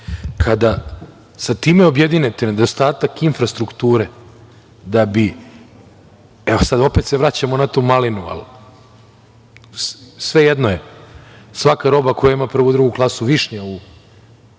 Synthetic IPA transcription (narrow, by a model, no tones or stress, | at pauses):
kʰad̪a | sat̪iːmeo̞bjed̪inet̪ined̪o̞st̪aːt̪akinfɾast̪ɾukt̪uːɾe | d̪abi | ɛosad̪o̞pet̪seʋɾat͡ɕamonat̪omalinua̰l | sʋejed̪no̞je | sʋakaɾo̞bakojaimapr̩ʋud̪ɾuɡuklˠasuʋiʂɲeu